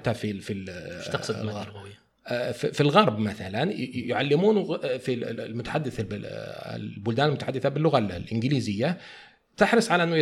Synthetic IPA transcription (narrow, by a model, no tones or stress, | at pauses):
t̪ːafifilɑsd̪ɣɑɾˤ | fifilɣɑɾˤbmaθalanjʊʕalːɪmuːnɣfilmʊt̪ḁħad̪ːɪθbɪɪ̰lbʊld̪aːnɪlmʊt̪aħad̪ːɪθabɪlːʊɣallʔɪnɡɪliːzɪjːa | t̪ɪħɾɨsˤʕalaʔɪnːʊ